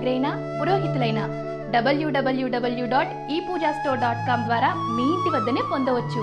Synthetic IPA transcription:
ɡɐɾɐjnɐ | puɾoːɦit̪ulɐjnɐ | ɖɐbɐljuːɖɐbɐljuːɖɐbɐljuɖaːʈ | iːpuːd͡ʒaːsʈoːɖaːʈkaːmd̪ʋaːɾaːniːjiɳʈ̪iʋɐd̪ːɐneːpo̞nd̪ɐʋɐt͡ʃːu

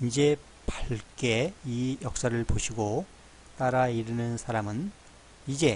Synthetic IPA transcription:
ind͡ʑe̞ | paɭk͈e̞ijʌk̚s͈aɾɯɭpoɕʰiɡo | t͈aɾaiɾɯnɯnsʰaɾamɯn | id͡ʑe̞

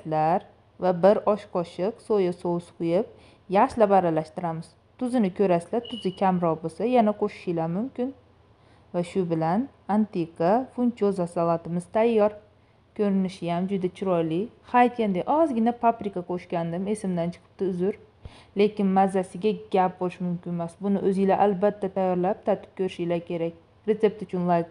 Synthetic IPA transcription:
laɾ | vabɪɾɒʃqʰɒʃɪqsojasosqʰʊjɪp̚ | jaχʃlabaɾalaʃt̪ɪɾamɪz̥ | t̪ʰʊzɪnɪkʰʲɵɾaslat̪ʰʊzɪkʲʰamɾɒʁbosajanaqʰoʃɪ̥ʃɪlaɾmʊmkʲɪn | vaʃʊbɪlan | ant̪eqafʊnt͡ʃʰozasalat̪ɪmɪz̥t̪ʰajːɒɾ | kʲʰɵɾɪnɪʃɪjamd͡ʒʊd̪at͡ʃʰʊɾɒjlɪhajt̪̚kʲand̪eʔɒzɡʲɪnapʰapɾɪkaqʰoʃkʲand̪ɪme̞sɪmd̪ant͡ʃʰɨ̥qʰɨ̥p̚t̪ɪʊzʊɾ | le̞kʲɪnmazːasɪɡʲaɡʲap̚bolɪʃmʊmkʲɪnmasbʊnɪʔɵzɪlaʔalbat̪ʰːat̪ʰajːɒɾlap̚t̪ʰat̪ʰɪ̥p̚kʲʰɵɾɪʃɪlakʲʰe̞ɾakʲ | ɾe̞t̪se̞p̚t̪ʊt͡ʃʰʊnlˠajk

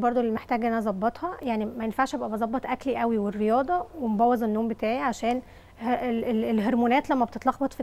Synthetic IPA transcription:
bɑɾˤd̪olilmeħt̪æːɡʔnænæzˤɑbːɑt̪ˤhɑjaʕnimæjenfaʕʃʔebʔæbezˤɑbːɑt̪ˤʔækliʔæwiwerːejɑːd̪ˤɑwemobɑwːɑzˤenːoːmbet̪æːʕiʕaʃæːn | heeelɦeɾmuːnæːt̪læmːæbet̪et̪lɑxbɑt̪ˤfi

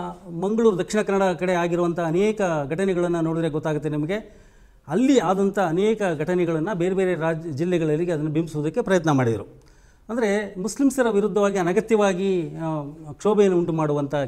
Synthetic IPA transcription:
mɐŋɡɐɭuːɾud̪ɐkʂiɳɐkɐnːɐɽɐkɐɽe̞aːɡiɾuʋɐnt̪ʰɐːnɛːkɐɡʱɐʈɐnɛɡɐɭɐnːɐnoːɽid̪ɾeɡɔt̪ːaːɡut̪ːenimɐɡe̞ | ɐlːiaːd̪ɐnt̪ʰɐːnɛːkɐɡʱɐʈɐnɛɡɐɭɐnːɐbe̞ːɾebe̞ːɾe̞ɾaːd͡ʒilːɛɡɐɭɐlːiɡeɐd̪ɐnːɐbimbisuʋuːd̪ɐkːe̞pɾɐjɐt̪nɐmaːɽid̪ɐɾu | ɐnd̪ɐɾe̞muslimsɐɾɐʋiɾud̪ʱːɐʋaːɡiɐnɐɡɐt̪jɐʋaːɡi | kʂoːbejɐnːuuɳʈumaːɽuʋɐnt̪ʰɐ

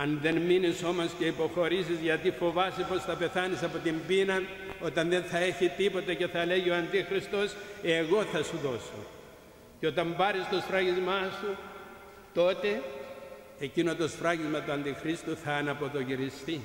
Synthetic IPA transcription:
ɐnðe̞nminiso̞mo̞sce̞ipo̞xo̞ɾisizʝɐt̪ifo̞vɐsipo̞sθɐpe̞θɐnisɐpo̞t̪imbinɐn | o̞t̪ɐnðe̞nθɐe̞çit̪ipo̞t̪ece̞θɐle̞ʝioɐnd̪ixɾist̪o̞se̞ɣo̞θɐsuðo̞so̞̰ | ceo̞t̪ɐmbɐɾist̪osfɾɐʝizmɐsu | t̪o̞t̪e̞ː | cino̞t̪osfɾɐʝizmɐt̪uɐnd̪ixɾist̪uθɐːnɐpo̞t̪o̞ʝiɾist̪i

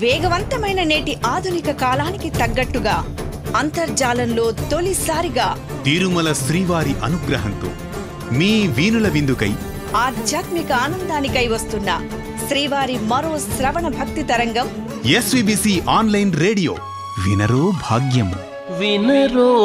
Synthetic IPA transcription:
ʋɛːɡɐʋɐnt̪ɐmɐjnɐneːʈiʔaːd̪ʱunikɐkaːlaːnikit̪ɐɡːɐʈːuɡaː | ɐnt̪ɐɾd͡ʒaːlɐnlo̞ːt̪o̞lisaːɾiɡaː | t̪iːɾumɐlɐsɾiːʋaːɾiʔɐnuɡɾɐɦɐnt̪o̰ː | miːʋiːnulɐʋind̪ukɐj | aːd̪ʱjaːt̪mikɐaːnɐnd̪aːnikɐjʋɐst̪unːɐ | ʃɾiːʋaːɾimɐɾo̞ːsɾɐʋɐɳɐbʱɐk̚t̪it̪ɐɾɐŋɡɐm | esʋiːbiːsiːʔaːnlɐjnɾeːɽijo̰ː | ʋḭnɐɾoːbʱa̰ːɡjɐm | ʋinɐɾo

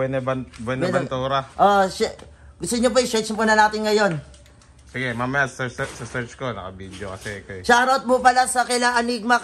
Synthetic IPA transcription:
ɛnɐbɐnbɛnɐbnt̪uːɾɐʔoʃa | ɡʊst̪ʊɲop̬oʔɐjsɛt͡ʃpunɐnaːt̪ɪnŋɐjo̞n | sɪɡɛmamɐjassɛsɐsɛɹt͡ʃkonɐkɐbiːd̪jokɐsɛkɐʃaɾɐot̪̚mʊpɐlasɐkɪlaŋʔɐniɡ̚mɐ

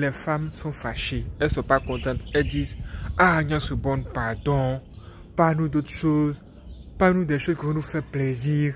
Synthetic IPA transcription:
lɛfamsɔ̃faʃeesɔpakɔ̃t̪ãt̪ed̪iaɲãsubɔ̃npad̪ɔ̃ | panũd̪ot̪ʃoz | panũd̪eʃozkevenũfɛpleziɾ

